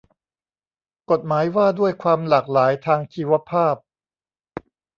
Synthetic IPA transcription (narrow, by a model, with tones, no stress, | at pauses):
ko˨˩t̪̚maː˩˦jwaː˥˩du˥˩əjkʰwaː˧mlaː˨˩k̚laː˩˦jt̪ʰaː˧ŋt͡ɕʰiː˧wa˦˥pʰaː˥˩p̚